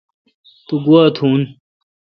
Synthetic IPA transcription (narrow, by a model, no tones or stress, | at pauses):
t̪uɡuat̪ʰuːn